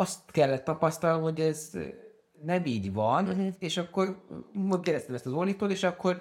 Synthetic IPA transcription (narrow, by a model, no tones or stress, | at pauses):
ɒst̪kɛlːɛt̪ːɒpɒst̪ɒlnomho̞ɟɛz | nɛmiːɟʋɒneːʃɒkːo̞rmoɡɛɾɛst̪ɛmɛst̪ɒzolit̪oːt̪eːʃɒkːo̞r